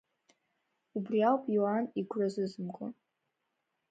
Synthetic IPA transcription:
ubrialpʼjuaniɡʷrazɨzɨmkʷʼa̰

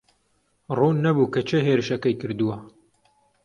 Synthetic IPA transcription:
ruːnːɐbukɐt͡ʃʰeɦeːɾɨʃɐkɐjkɨɾd̪uwɐ

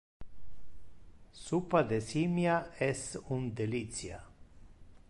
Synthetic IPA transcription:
supad̪esimjaesund̪elit̪t͡sja̰

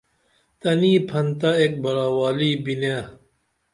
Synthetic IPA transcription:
t̪ɐniːpʰɐnt̪aeːk̚bɐɾaːwaːliːbinja

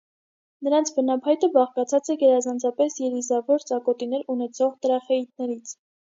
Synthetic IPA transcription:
nəɾɑnt͡sʰvənɑpʰɑjt̪əbɑχkɑt͡sʰɑt͡sɛɡɛɾɑzɑnt͡sʰɑpɛsjɛɾizɑvɔɾt͡sɑkɔt̪inɛɾunɛt͡sʰɔʁt̪əɾɑχɛit̪̚nɛɾit͡sʰ

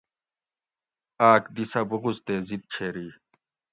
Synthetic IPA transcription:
aːkd̪isɐbuɣust̪eːzid̪̚t͡ɕʰeːɾiː

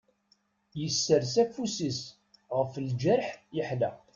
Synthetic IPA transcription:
jəsːəɾsækfusis | ʁəfld͡ʒæɾħjəħlæ̰

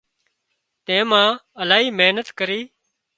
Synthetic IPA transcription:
t̪ẽːmãːəlaːɦiːmeːnət̪kəɾiː

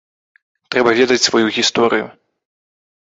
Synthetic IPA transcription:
t̪ɾɛbɐvʲɛd̪ɐt͡sʲsvɔjuɣʲist̪ɔɾɨjṵ

